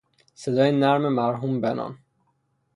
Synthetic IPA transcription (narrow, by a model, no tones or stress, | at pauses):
sed̪ɒːjenæɾmemæɾɦumbenɒ̰n